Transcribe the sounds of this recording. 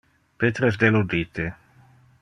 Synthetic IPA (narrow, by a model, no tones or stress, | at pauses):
pet̪ɾes̬d̪elod̪iːt̪e